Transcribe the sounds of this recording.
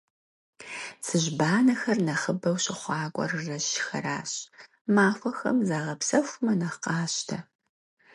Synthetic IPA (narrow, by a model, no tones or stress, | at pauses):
sɨʑbaːnɐxɐrnɐχəbɐwɕɪχʷɑːkʷʼɔ̰rɨrɐɕxɐ̰ɾaːɕ | maːfʷɐxɐ̰mzaːʁɐpsɐxʷmɐnɐχqɑːɕtʰɐ